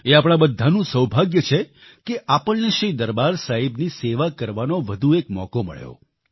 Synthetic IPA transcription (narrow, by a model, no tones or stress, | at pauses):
eapɽ̃abəd̪ʱːanũsəwbʱaɡjət͡ʃʰe | keʔapəɭneʃid̪əɾbaɾsaɦibniseʋakəɾʋanoʋəd̪ʱuekmɔ̰komə̰ɭjo̰